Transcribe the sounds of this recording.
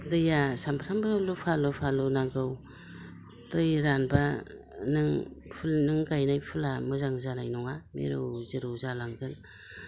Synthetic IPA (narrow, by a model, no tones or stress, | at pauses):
dɯjasampʰɾambɯlupʰalɯpʰalɯnaŋɡɯw | tɯjɾanba | nɯŋpʰulnɯŋɡajnajpʰulamɯzaŋzanajnɔŋamḛɾɯwzɯɾɯwzalaŋɡɯl